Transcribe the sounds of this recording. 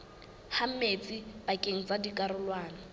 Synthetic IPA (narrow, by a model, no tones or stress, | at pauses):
ham̩met͡sʼib̥akʼeŋ̩t͡sʼadikʼaɾʊlwaːna